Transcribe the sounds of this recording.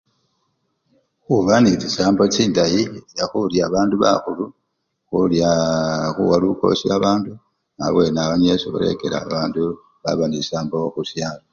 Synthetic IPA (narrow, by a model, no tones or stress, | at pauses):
xuβanit͡sisaːmbot͡siːndajijaxuljaβaːnduβa̰xulu | xuljaxuwaluko̞̰siaβaːndu | nawe̞naβaɲesuβṵle̞̰ke̞la̰βaːndu | βa̰βanisaːmbooxusjaːlo